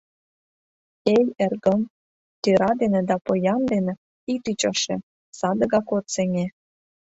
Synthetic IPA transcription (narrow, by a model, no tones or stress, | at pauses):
ejerɣə̆m | t̪øɾɑd̪enĕd̪ɑpojɑnd̪enĕ | it̪yt͡ɕɑʃĕ | sɑd̪ə̆ɣɑkot̪seŋe